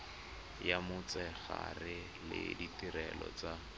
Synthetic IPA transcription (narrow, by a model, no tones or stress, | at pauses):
jamʊt͡sɛχarɪ | lɪditiɾɛlɔ̰t͡sa